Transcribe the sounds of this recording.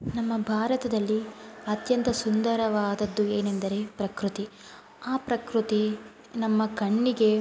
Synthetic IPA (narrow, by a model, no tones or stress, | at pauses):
nɐmːɐbʱaːɾɐt̪ɐd̪ɐlːiɐt̪jɐnt̪ɐsund̪ɐɾɐʋaːd̪ɐd̪ːueːnend̪ɐɾe̞pɾɐkɾut̪i | aːpɾɐkɾut̪i | nɐmːɐkɐɳːiɡe̞